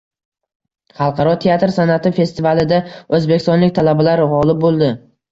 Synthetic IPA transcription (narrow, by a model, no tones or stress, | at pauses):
χɑlˠqʰɑɾɒt̪ʰe̞at̪ɾsanat̪ʰɪfe̞st̪ɪvalɪd̪aɵzbekʲɪst̪ɒnlɪk̚ʲt̪ʰalabalaɾʁɒlɪp̚bolˠd̪ɪ